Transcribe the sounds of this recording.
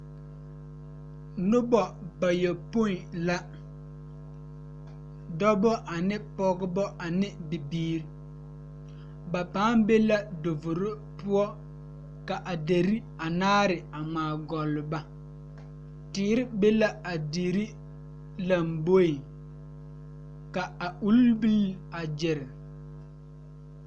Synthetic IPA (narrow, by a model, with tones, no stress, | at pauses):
nʊ˦bɔ˨ba˨jɛ˨po˦˨la˦ | dɔ˦bɔ˦ʔa˨nɪ˦pɔ˦ɡɪ˦bɔ˦ʔa˨nɪ˦bi˨biː˦ɾi˨˦ | ba˨paː˨˦mbe˦la˦do˨vʊ˨ɾʊ˦ | pʊ˦ɔ˦ | ka˨ʔa˨de˨ɾi˦ | a˨naː˦ɾɪ˨a˨ŋ͡maː˨ɡɔ˨lːʊ˨ba˦ | tɪː˨˦ɾɪ˦be˦la˦a˨di˨ɾi˦ | la˨mbo˦i˨ | ka˨a˨u˦lbi˦la˨d͡ʒɪ˨ɾɪ˨